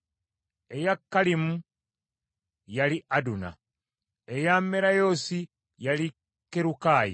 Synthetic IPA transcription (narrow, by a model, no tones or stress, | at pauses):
ejakːalimu | jaliʔaduna̰ | ejamːeɾajoːsi | jali | kːeɾukaːjḭ